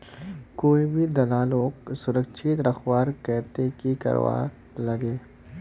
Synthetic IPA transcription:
koːibʱid̪ɐlaːloːksʊɾəkʃɪt̪ɾəxwaːɾkɛɦt̪ekikɐ̰ɾ̰wa̰ː | lɐɡeː

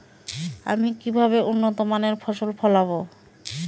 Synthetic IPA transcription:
a̰mikibʱaβeʔunːot̪omaneɾfʰɔʃolfʰɔlaβo

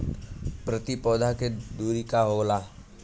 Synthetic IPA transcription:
pɾət̪ipɔːd̪ʱaked̪uːɾikaɦoːlaː

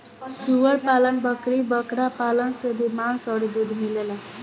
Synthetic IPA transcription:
suwəɽpalənbʌkɾibʌkɾapalənsod̪ʱimansʌɽid̪ud̪ʱmilela

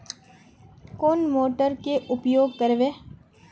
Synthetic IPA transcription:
koːnmoːʈəɾkeʔʊpjoːɡ̚kəɾʋeː

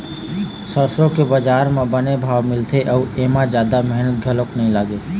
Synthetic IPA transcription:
səɾsõkebəd͡ʒaːɾmẽbənebʱaːʋmɪlt̪ʰeʔɔːeːmad͡ʒjaːd̪amɛɦnət̪̚ɡʱəloknəɦĩlaːɡeː

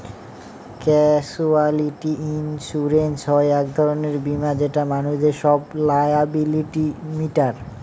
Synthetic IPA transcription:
kɛsualiʈiinsuɾensɦɔeɛkd̪ʱɔɾoneɾbimad͡ʑeʈamanuʃd̪eɾʃɔblajabiliʈimiʈaɾ

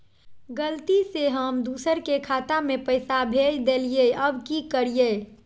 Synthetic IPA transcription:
ɡəlt̪iseɦəmd̪uːsəɾkekʰaːt̪amẽpəɪsabʱeːld̪elieəbkikəɾije

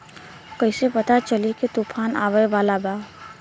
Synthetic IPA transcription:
kəɪsepɐt̪at͡ʃəliket̪upʰaːna̰ːʋəjʋaːlabaː

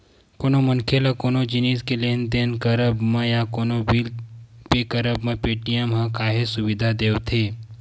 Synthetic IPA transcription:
koːnomənkʰelakoːnod͡ʒɪneːskeleːnd̪enkəɾəbmãjakoːnobilpekəɾəbmẽpeːʈijãmãkaːɦesʊʋɪd̪ʱad̪eːwt̪ʰeː

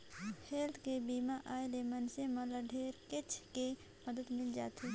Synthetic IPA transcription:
heːlt̪ʰkebiːmaʔaːelemənsemələɖʱeːɾkɪt͡ʃʰke | məd̪əd̪mɪld͡ʒa̰ːt̪e

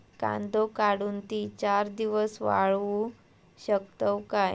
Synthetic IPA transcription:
ka̰nd̪okaɽunt̪it͡ɕaɾd̪iʋəsʋa̰ɭʋu | ɕək̚t̪əwkaj

